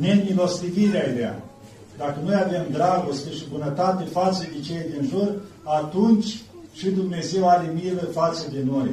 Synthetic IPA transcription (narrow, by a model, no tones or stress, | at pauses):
nemilo̞st̪iviɾeajd̪ea̰ | d̪akənojave̞md̪ɾaɡo̞st̪ʲeʃibunət̪at̪e̞fat̪səd̪et͡ʃeld̪inʒur | at̪unt͡ʃʲ | ʃid̪umne̞ze̞waɾe̞miləfat̪səd̪eno̞j